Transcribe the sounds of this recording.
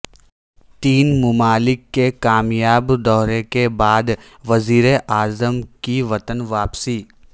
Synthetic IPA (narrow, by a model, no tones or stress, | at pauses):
t̪iːnmʊmaːlɪkːekaːmjaːbd̪ɔːɾekebaːd̪ | ʋɐziːɾeʔaːzəmkiʋɐt̪ənʋaːpsiː